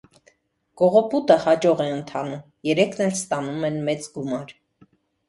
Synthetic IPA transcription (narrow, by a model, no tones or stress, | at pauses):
ɡ̥ɔʁɔput̪əhɑd͡ʒɔʁɛənt̪ʰɑnum | jɛɾɛkʰnɛlst̪ɑnumɛnmɛt͡sɡumɑɾ